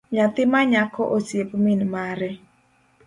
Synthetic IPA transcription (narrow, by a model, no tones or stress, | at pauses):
ɲat̪ɪmaɲakɔʔosiepminmaɾɛ